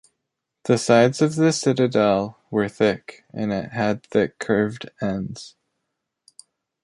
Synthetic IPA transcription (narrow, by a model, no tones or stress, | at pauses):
ðɨsaɪdz̥ʌvðɨsɪɾɨdɛlˠ | wə˞θɪk | ɨ̃nɪ̰ʔ̚ɦɨd̪̚θɪkʰːɜ˞vdɛ̃ndz̥